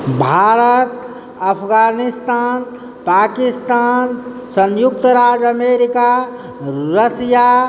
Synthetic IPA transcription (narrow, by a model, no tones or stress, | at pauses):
bʱaːɾət̪ | əpʰɡaːnist̪aːn | paːkist̪aːn | sənjʊk̚t̪əɾaːd͡ʒəmeɾika | ɾəsja